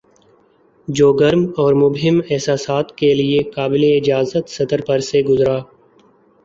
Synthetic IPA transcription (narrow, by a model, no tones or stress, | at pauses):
d͡ʒoːɡəɾmɔːɾmʊbɦɪmɛɦsaːsaːt̪keliekaːbɪleɪd͡ʒaːzət̪sɐd̪əɾpɐɾseɡʊzɾaː